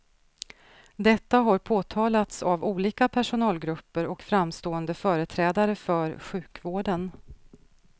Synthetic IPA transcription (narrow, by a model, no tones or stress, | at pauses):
d̪ɛt̪ːaɦaɾpʰoːt̪ʰɑːlat̪savuːliːkapʰæʂʊnɑːlɡɾɵpːəɾɔkfɾamst̪oːənd̪əfœːɾət̪ʰɾɛːd̪aɾəfœɾɧʉ̟ːkvoːɖən